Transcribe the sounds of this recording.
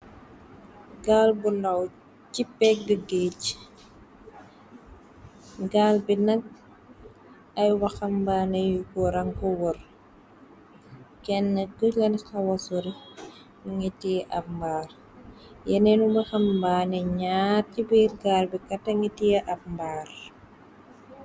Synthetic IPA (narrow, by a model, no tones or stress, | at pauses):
ɡaːlbundɐw | cipːɛk̚dəɡec | ɡaːlbinɐk̚ | ɐjwɐxɐmbaːnɛjukɔɾɐŋkɔwɔr | kɛnːəɡulɐnxɐwɐsuɾi | nuŋitiʔɐp̚mbaːr | jɛnɛnubɐxɐmbaːnɛɲaɾcibiːrɡaːlbikɐtːɐŋɡitijɐʔɐp̚mbaːr